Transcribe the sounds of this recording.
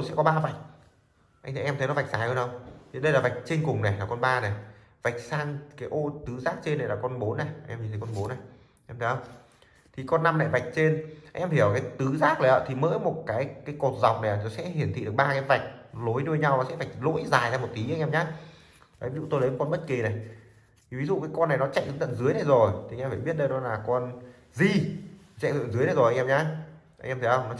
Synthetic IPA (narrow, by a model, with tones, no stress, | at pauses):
jsɛ̰˧˥kɔ˨˦ɓaː˧va˨˩jk̟̚ | ʔa˧j̟t̪ʰːʔɛ˧mt̪ʰə˨˦jnɔ˨˦va˨˩k̚zaː˨˩jhə˧nɗə˧wt̪ʰi˨˩ɗə˧jlaː˨˩va˨˩jk̟̚t͡ɕe˧nkʊ˨˩ŋ͡mna˨˩laː˨˩kɔ˧nɓaː˧nɛ˨˩ | va˨˩k̟̚saː˧ŋkaː˨˦jʔo˧t̪ɨ˨˦zaː˦˥k̚t͡ɕe˧nːa˨˩laː˨˩kɔ˧nɓo˨˦nːɛ˨˩˧ʔɛ˧mi˧˨˩t̪ʰːkɔ˧nɓo˨˦nːa˨˩j | ʔɛ˧mt̪ʰə˧wŋ͡m | t̪ʰi˨˩kɔ˧nːa˧mna̰˨˩jva˨˩k̟̚t͡ɕe˧nʔʔɛ˧mhi˧˩əwkaː˨˦jt̪ɨ˨˦zaː˦˥k̚nə˨˩ʔə̰ː˧˩t̪ʰi˨˩mə̰ː˧˥jmo˨˩t̚kaː˨˦jkaː˨˦jko˨˩t̚za˨˩wk͡p̚na˨˩a˨˩nɔ˨˦sɛ̰˧˥ɦi˨˩ənt̪ʰḭ˧˨ɗɨ˨˩ək̚ɓaː˧kaː˨˦jva˨˩jk̟̚lo˨˦jɗɨ˧əɲa˧wnɔ˨˦sɛ̰˧˥va˨˩jk̟̚lo̰˧˥jzaː˨˩jzaː˧mo˨˩t̚k̪i˨˦ʔaː˧ŋʔɛ˧mɲaː˨˦˥ | aː˨˦vi˨˦zṵ˧˨t̪o˧lə˨˦m˨˦kɔ˧nɓə˦˥t̚ki˨˩na˨˩jʰ | i˨˩vi˨˦zṵ˧˨kaː˨˦jkɔ˧nːa˨˩jnɔ˨˦t͡ɕa̰˧˨jŋt̪ːt̪ə̰˧˨nzɨ˨˦əjna˨˩jzo˨˩j̪ʰi˨˩ʔɛ˧faː˧˩ɓi˦˥ət̚ɗə˧jɗɔ˨˦laː˨˩kɔ˧n | zi˧˩t͡ɕa̰˧˨ʔt̪ə̰˧˨nzɨ˨˦əjna˨˩zo˨˩ja˧ŋʔɛ˧ɲaː˧˦ʔŋʔɛ˧mt̪ʰi˨˦ə˧wŋ͡mnɔ˨˦